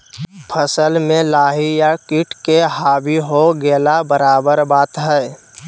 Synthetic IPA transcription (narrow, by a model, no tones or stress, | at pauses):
pʰəsəlmẽlaːɦijakiʈkeɦaːbiɦoɡelabəɾaːbəɾbaːt̪ɦɛɪ